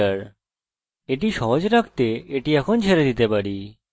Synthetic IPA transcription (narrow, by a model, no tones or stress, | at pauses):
aɾ | eʈiʃɔɦod͡ʑɾak̚t̪eeʈiɛkʰont͡ɕʰeɾed̪it̪epaɾi